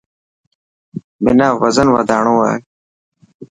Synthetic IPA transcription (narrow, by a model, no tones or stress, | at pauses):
bɪnaːʋəzənʋaːd̪aːɳoːaːɦeː